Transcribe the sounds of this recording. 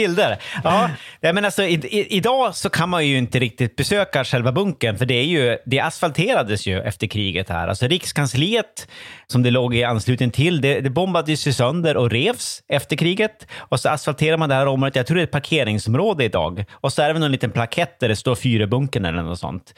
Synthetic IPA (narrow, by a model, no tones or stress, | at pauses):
b̥ɪld̪əɾɑːnɛmɛnalsɔɪɪʔɪd̪ɑːsɔkʰanmanjɵɪnt̪əɾɪk̚t̪ɪt̪̚bɛsøːkaʂɛlvabɵŋkənfœɖɛæɾjɵd̪ɛʔasfalt̪ʰeːɾad̪əsjɵʔɛ̰ft̪əɾkʰɾiːɡət̪hæ̰ːɾa̰lsɔɾɪkskʰansliːət̪sɔmd̪ɛloːɡɪanslʉ̟ːt̪ənt̪ʰɪld̪ɛd̪ɛbɔmbad̪əjɵsɪsœnd̪əɾʔɔɾeːvsɛft̪əɾkʰɾiːɡət̪ɔsɔasfalt̪ʰeːɾaɾmand̪ɛhæːɾɔmot̪jat̪ʰɾuːɖɛt̪̚pʰaɾkʰeːɾɪŋsɔmɾoːd̪əɪd̪ɑ̰ːɡɔsɔæɖɛvɛɔnliːt̪ənpʰlakʰɛt̪̚ːd̪æɖɛst̪oːɾfyːɾəbɵŋkənɛ̰lːə̰nɔ̰t̪sɔ̰nt̪